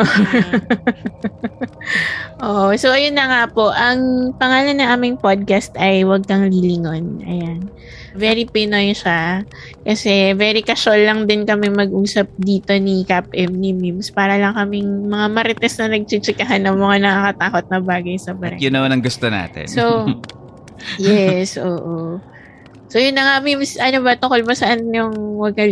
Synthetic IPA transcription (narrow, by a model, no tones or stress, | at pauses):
ʔoʔsowʔɐjonːɐŋapo̞ʔɐŋpɐŋaːlɐnːɐŋʔaːmɪŋpod̪̚kast̪ʔɐjwɐɡ̚kɐŋlilɪŋonʔɐ̰jan | vɛɾipɪnojʃa | kɐsɛvɛɾikɐʃolːɐŋd̪ɪnkɐmɛmɐɡʔuːsɐp̚d̪iːt̪o̞nikapʔɛmnimimspaːɾɐlɐŋkɐmɪŋmɐŋamɐɾɪt̪ɛsnɐnɐɡ̚t͡ʃɪt͡ʃɪkɐɦanːɐŋmɐŋanɐkakɐt̪aːko̞t̪̚nɐbaːɡɐjsɐbɐɾɛ̰ɡɪnɐwanɐŋɡʊst̪ona̰ːt̪ɪ̰nso | jɛsʔoːʔo | sojʊnːɐŋamimsʔɐnobɐt̪ʊŋko̞lbosɐʔanjʊŋwɐɡ̚kɐ